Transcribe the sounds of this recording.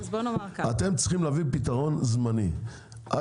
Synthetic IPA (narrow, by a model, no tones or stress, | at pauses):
bonaaat̪e̞mt͡sχimlavipit̪aʁo̞nzmani | ʔa